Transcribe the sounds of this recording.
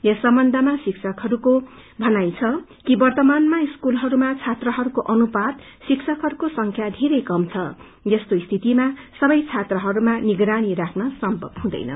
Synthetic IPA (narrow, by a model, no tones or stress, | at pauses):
jʌsʌmbʌnd̪ʱʌmasiksʰʌkɦʌɾukobʱʌnajt͡sʰʌ | kibʌrt̪ʌmanmaiskulɦʌɾumat͡sʰat̪rʌɦʌɾukoʔʌnupad̪ | siksʰʌkɦʌɾukosʌŋkʰjad̪ʱeɾʌjkʌmt͡sʰʌ | jʌst̪oist̪ʰit̪imasʌbʌjt͡sʰat̪rʌɦʌɾumaniɡɾaɽ̃iɾakʰnʌsʌmpʌ̰bhũd̪ʌ̰jnʌ̰